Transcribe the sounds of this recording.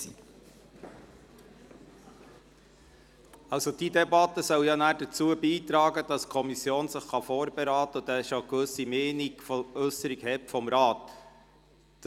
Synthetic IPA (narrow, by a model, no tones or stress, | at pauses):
i | ɑlsod̥iːdɛbɑtːəsœwjɑnæːɾdət͡suəbiːt̪ɾɑːɡəd̥ɑskʰɔmisjoːnsəχχɑfɔːɾbɛɾɑːt̪əʊd̪æʃokʋɵsimeːniɡfɔɵsəɾiɡhɛtfɔmɾɑːt̪